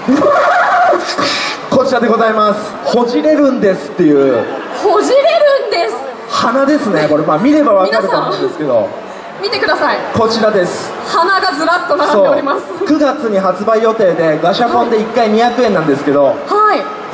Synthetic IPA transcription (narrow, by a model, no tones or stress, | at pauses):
ko̞t͡ɕiɾad̪e̞ɡo̞zaimasɨ̥ho̞ʑiɾe̞ɾɯ̟̃nd̪e̞sɨ̥t̪ːe̞jɯ̟ːhoʑiɾeɾɯ̟̃nd̪es | hanad̪e̞sɨne̞ko̞ɾemaːmʲiɾe̞baβak̪aɾɯaãnd̪esɨ̥ke̞d̪o̞̰ | mʲit̪e̞kɯ̟d̪asaiko̞t͡ɕiɾad̪e̞sɨ̥ | hanaɡazɨɾat̪ːonaɾsoːɾimaskɯ̟ɡat͡sɨɲ̟iɦat͡sɨbaijo̞t̪e̞ːd̪e̞ɡaɕapõ̞nd̪e̞ikːaiɲ̟içakɯ̟ẽ̞nːãnd̪e̞sɨ̥ke̞d̪o̞hai